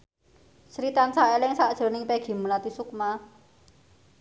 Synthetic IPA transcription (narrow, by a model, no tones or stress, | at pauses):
sɾit̪ansaʔelɪŋsaʔd̥ʒ̥ə̤nɪŋpeɡ̥i̤məlat̪isuk̚ma